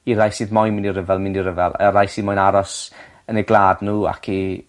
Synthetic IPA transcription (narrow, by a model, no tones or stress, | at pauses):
iɾajsiːðmɔjnmɪndiɾəvɛlˠmɪniɾəvɛlˠa̰ɾajsiːðmɔjnaɾɔs | ənɛɡlˠaːdnuːa̰kʰi